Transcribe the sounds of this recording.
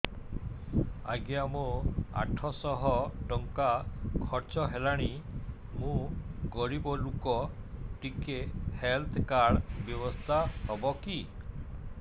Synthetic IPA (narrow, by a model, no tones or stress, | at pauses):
a̰ɡjamoa̰ʈʰɔsɔɦɔʈɔŋkakʰɔɾt͡ʃɔɦelaɽ̃i | mũɡɔɾibɔlukɔʈikehelt̪ʰkaɽbjɔbɔst̪ʰahɔbɔki